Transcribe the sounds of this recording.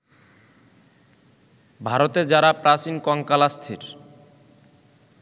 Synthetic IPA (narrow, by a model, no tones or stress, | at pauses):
bʱaɾot̪ed͡ʑaɾapɾat͡ɕinkɔŋkalast̪ʰeɾ